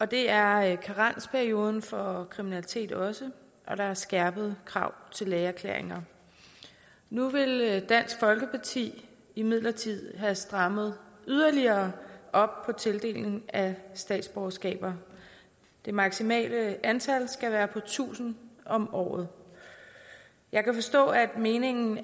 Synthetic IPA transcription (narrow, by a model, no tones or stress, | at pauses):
ɒ̽d̥e̝æɐkʰɑʁɑn̰spʰæɐio̝ːð̞ˠn̩fɒ̽kʰʁiminælit͡sʰe̝̰ːd̥ɒ̽sə | ʔɒ̽ɾ̥ɑ̈æɐsɡ̥æɐb̥əð̩ˠkʰʁɑ̈ʊ̰t͡sʰe̝lːɛːæɐkʰlḛɐeŋɐ | nuʋe̝ld̥æn̰sɡ̥fɒ̽lɡ̥əpʰɑ̈t͡sʰḭː | imið̞̰ˠlɐt͡sʰið̞̰ˠɦæsd̥ʁɑ̈məð̞̩ˠyð̞ˠɐliɐːʔɒ̽b̥̚pʰɒ̽t͡sʰe̝ld̥e̝̰ːlne̝ŋæsd̥ɛ̰ːd̥sb̥ɒʊɐsɡ̥ɛ̰ːb̥ɐ | d̥e̝mɑ̈ɡ̥simɛ̰ːləænt͡sʰælsɡ̥æʋæːɐpʰɒ̽t͡sʰṵːsn̩ɒ̽mɒ̰ːð̞̩ˠ | jʔɑ̈ɪkʰæfɒ̽sd̥ɔ̰̽ːæd̥me̝ːne̝ŋn̩